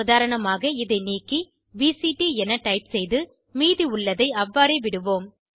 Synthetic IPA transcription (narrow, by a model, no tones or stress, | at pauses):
ʊðaːɾɐɳɐmaːɣɐɪðɐɪniːkːi | ʋiːsiʈiɛnɐʈɐɪpsɛjðɯ | miːðiʊɭːɐðɐɪɐʋːaːɾeːʋɪɽɯʋoːm